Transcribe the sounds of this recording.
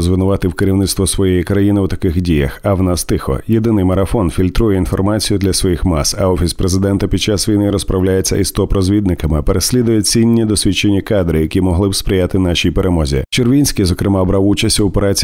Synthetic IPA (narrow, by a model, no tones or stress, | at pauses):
zʋɪnʊʋɑt̪ɪwkɪɾʲiwnɪt̪st̪ʋɔsʋɔjejikɾɐjinɪwt̪ɐkɪxdʲijɐ̰xɐwnast̪ɪxɔ̰jed̪ɪnɪjmɐɾɐfɔnfʲilʲt̪ɾujɛinfɔrmat͡sʲijʊd̪lʲɐsʋɔjixmɑsɐɔfʲispɾezɪd̪ɛnt̪ɐpʲid̪̚t͡ʃasʋʲijnɪɾɔspɾɐwlʲajet͡sʲːɐ̰ist̪ɔpɾɔzʲʋʲid̪̚nɪkɐmɪɐpeɾesʲlʲid̪ʊjɛt͡sʲinʲːid̪ɔsʲʋʲit͡ʃːenʲːikɑd̪ɾɪjɐkʲimɔɦlˠɪbspɾʲɪjat̪ɪnaʃʲijpeɾemɔzʲḭt͡ʃerʋʲinʲsʲkɪjzɔkɾɪmɑbɾawut͡ʃɐsʲtʲɔpeɾat͡sʲ